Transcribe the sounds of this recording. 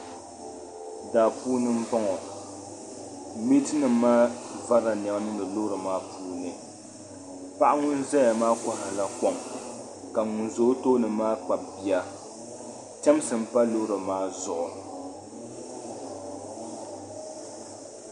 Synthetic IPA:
daː˨puː˦nɨ˦m̩˦bɔ˦ŋɔ˨ | mi˦tɨ˦nɨ˨˦maː˦va˦ɾa˨nɛ˨ba˦nɨ˦ɨ˨lo˦ɾɨ˨maː˦pʰuː˦nɨ˨ | pa˦ʔa˦ŋʊ˦n˦zɛ˦ja˨maː˦kɔ˨hɪ˨la˨kɔ˦ŋ | ka˨ŋʊ˨nzo˨˦to˦nɨ˨maː˦k͡pa˨mbi˦a˦ | t͡ʃɛ˦msɨ˨m̩˦pa˦lo˦ɾɨ˨maː˦zʊ˨ʔʊ˨

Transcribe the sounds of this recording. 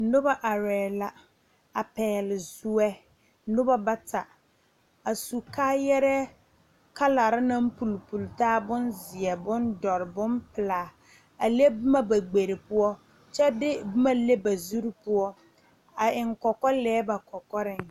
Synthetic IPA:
nʊ˦ba˦ʔa˨ɾɛː˨la˨ | a˨pɛː˨lɪ˨zu˦ɛ˦ | nʊ˦ba˦ba˦ta˨ | a˨su˨kaː˦jɛ˦ɾɛ˦ | ka˦la˨ɾɪ˦na˦m̩˦pu˨lpu˨ltaː˦bʊ˦nzɪ˨ɛ˨bʊ˦ndɔ˨ɾɪ˨bʊ˦mpɪ˨laː˨ | a˨le˦bɪ˦ma˦ba˨ɡ͡be˨ɾɪ˨pʊ˦ɔ˦ | t͡ʃɛ˦dɪ˦bɪ˦ma˦le˦ba˨zu˦ɾi˦pʊ˦ɔ˦ | a˨ɪ˨ŋkɔ˨kɔ˦lɛː˨˦ba˨kɔ˨kɔ˦ɾɪ˦ŋ

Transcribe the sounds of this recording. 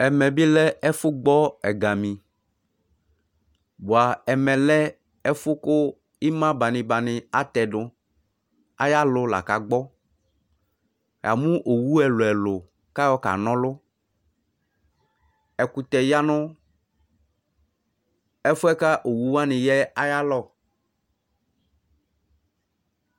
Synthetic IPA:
ɛ˨mɛ̃˨bi˦lɛ˦ɛ˦fʊ˦ɡ͡bɔ˦ɛ˨ɡa˨mĩ˨ | bo˨a˨ɛ˨mɛ̃˨lɛ˦ | ɛ˦fʊ˦kʊ˦ | i˦mã˦ba˨nɪ̃˨ba˨nɪ̃˨a˦t̪ɛ˨dʊ˦ | a̰˦ja˦lʊ˨la̰˨ka˨ɡ͡bɔ˦ | ja̰˨mʊ̃˦ʔo˨wu˦ɛ˨lʊ˨ɛ˨lʊ˨ | ka˦jɔ˦ka̰˨nɔ̃˦lʊ˦ | ɛ˨kʊ˨t̪ɛ˨ja˦nʊ̃˦ | ɛ˦fʊ˦ɛ˦ka˦ʔo˨wu˦wa˦nɪ̃˨jɛ˦a˦ja˦lɔ˦˨

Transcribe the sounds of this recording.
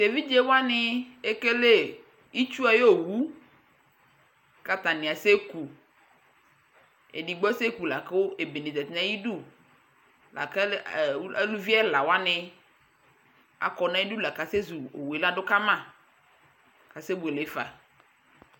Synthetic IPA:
t̪e˨vi˦d͡ʒe˦wo˦a˦nɪ˦e˦ke˦le˦ | i˦t͡ʃu˦a˨je˦o˨wu˦ | ka˨t̪a˨nɪ̃˨a˨se˦ku˨ | ḛ˨di˨ɡ͡bɔ˦se˦ku˨la˨ke˦wo˦ʔe˨be˨nẽ˨dɛ˨t̪nã˦ji˦ɖu˦ | la̰˨ka˦˨˦a˦lu˦vi˦a˦la˨wo˦a˦nɪ̃˨ | a̰˨kɔ˨nã˦i˦du˦la˨ka˨se˦zu˨o˨we˨la˦ɖʊ˦ka˦mã˦˨ | ka˨se˦bu˨e˨le˨˦fa̰˨

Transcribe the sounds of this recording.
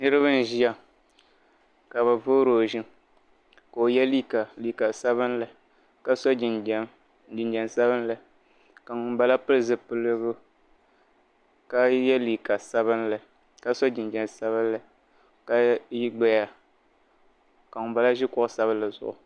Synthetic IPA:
nɨ˦ɾɨ˦βɨ˦n̩˦ʒi˦a˨ | ka˨βa˨vo˦ɾoː˨ʒɪ˦n | ko˨o˨jɛ˦li˦ka˨li˨ka˨sa˦βɨ˦n˦la˨ | ka˦sɔ˦d͡ʒi˨n˨ | d͡ʒɪ˨nd͡ʒɛ˨nsa˦βɨ˦n˦la˨ | ka˨ŋ˨ba˦la˦pɨ˦lɨ˦zɨ˦pɨ˦lɨ˦bʊ˦ | ka˦jɛ˦li˨ka˨sa˦bɨ˦nla˨ | ka˦sɔ˦d͡ʒɪ˨nd͡ʒɛ˨n˨sa˦βɨ˦n˦la˨ | ka˦ji˦ɡ͡bɛ˦ja˨ | ka˨ŋʊ˨ba˨la˦ʒɪ˦kʊ˦ʔʊ˦sa˦βɨ˦la˨zʊ̰˨ʔʊ̰˨

